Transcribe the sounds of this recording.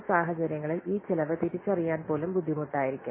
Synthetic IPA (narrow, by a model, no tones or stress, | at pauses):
saːɦɐt͡ɕɐɾjɐŋːɐɭiliːt͡ɕelɐʋɐt̪ːiɾit͡ɕːɐrijaːnpo̞ːlumbud̪ʱːimuʈːaːjiɾikʲːum